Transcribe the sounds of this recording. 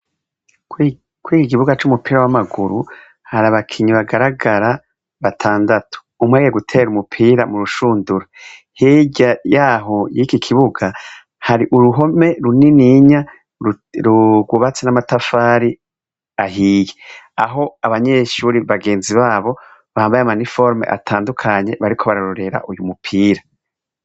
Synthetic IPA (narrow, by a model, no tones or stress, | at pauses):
kwiːkiɡiβuɡat͡ʃumupiːɾawamaɡuɾu | haɾaβakʰiɲiβaɡaɾaɡaɾa | βatʰaːndatʰu̥umweɡijeɡutʰe̞ːɾumupʰiːɾamuɾuʃuːnduɾo | heɟajaːɦojikikʰiβuɡa | haɾiʔuɾuɦo̞me̞ɾuniniɲa | ɾuɡuβat͡senamatafaːɾi | aɦiːjea̰ɦo̞aβaɲe̞ːʃuːɾiβaɡe̞ːnziβaːβo̞ | βahaːmbajamanifo̞ɾme̞̰ʔa̰tʰaːndukʰaɲe̞βaɾikʰo̞βaɾaɾoɾe̞ɾa̰ʔujumupʰiːɾa